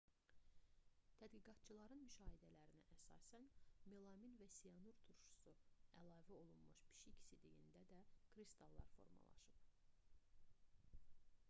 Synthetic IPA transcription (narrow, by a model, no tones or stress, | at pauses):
t̪ʰæd̪ɡiɡɑt̪t͡ʃʰɯlˠɑɾɯnmyʃɑːɦid̪ælæɾinæʔæsɑ̰ːsænme̞lˠɑminvæsionuɾt̪ʰuɾʃu̥suælˠɑːvæo̞lˠunmuʃpʰi̥ʃicʰsid̪ijḭnd̪æd̪ækʰɾist̪ʰɑlˠːɑ̰ɾfo̞̰ɾmɑ̰lˠɑ̰ʃɯp̚